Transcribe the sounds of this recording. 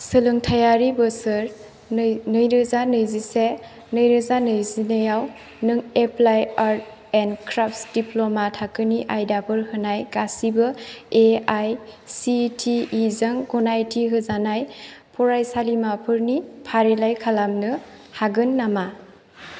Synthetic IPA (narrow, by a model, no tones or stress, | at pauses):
sɯlɯŋtʰajaɾibɯsɯɾ | nɯjɾɯzanɯjzise | nɯjɾɯzanɯjzinɯjaw | nɯŋeplajaɾ | enkʰɾap̚sdiplomatʰakɯniʔajdapʰɯɾhɯnajɡasibɯeajsitʰiːzaŋɡɔnajtʰiɦɯzanajpʰɔɾajsalimapʰɯɾnipʰaɾelajkʰalamnɯ | haɡɯnːama